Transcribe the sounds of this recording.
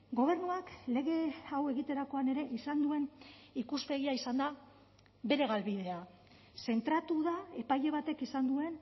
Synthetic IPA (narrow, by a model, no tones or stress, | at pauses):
ɡo̞β̞e̞ɾnuakle̞ɣe̞awe̞ɣit̪e̞ɾako̞ane̞ɾe̞ʔisand̪ue̞nikuspe̞ɣ̞iaisand̪a | βe̞ɾe̞ɣalβið̞e̞a | se̞nt̪ɾat̪uðae̞paje̞β̞at̪e̞kisand̪ue̞n